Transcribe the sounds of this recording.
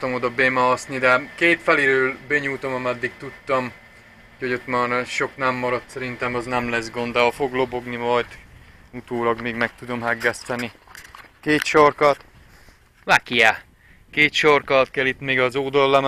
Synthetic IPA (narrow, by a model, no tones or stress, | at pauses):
t̪ɒmod̪ɒbemɒɒsnid̪ɛkeːt̪fɛleɾøːlbɛɲuːt̪o̞mɒmɛd̪ːikt̪ut̪ːɒm | uhoɟot̪maːnʃo̞knɛmːɒɾɒt̪sɛɾint̪ɛmɒznɛmlɛzɡond̪ɒfo̞ɡlo̞bo̞ɡnimɒjt̪ut̪oːlɒɡmeːɡmɛk̚t̪ud̪o̞mɦɛɡːɛst̪ɛnikeːt̪ʃorkɒt̪ | vakija | keːt̪ʃorkɒt̪kɛlit̪meːɡɒzoːd̪olːɛm